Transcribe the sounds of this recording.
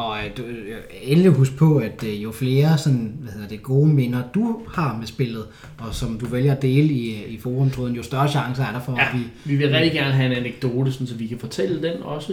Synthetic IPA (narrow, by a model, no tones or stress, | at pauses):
ɒ̽d̥u | eliɦusɡ̥̚pʰɒ̽æd̥jo̝fle̝ːɐsɒ̽nʋæhe̝ð̰ˠɐd̥eɡ̥o̝ːmenɐd̥uhɑ̈mesb̥e̝l̰ð̩ˠ | ʔɒ̽sɒ̽md̥uʋeljɐd̥e̝ːləiifoːʁɔmt͡sʰʁoðˠn̩jo̝sd̥ɶɐɕɑ̈ŋs̬ɐæɐɾ̥ɑ̈fɒ̽ʋiʋiʋe̝lʁɛ̥d̥iɡ̥æɐnəɦæe̝næneɡ̥̚d̥o̝ːd̥əsɒ̽n̩sɒ̽mʋikʰæfɒ̽t͡sʰel̰əd̥enɒ̽sə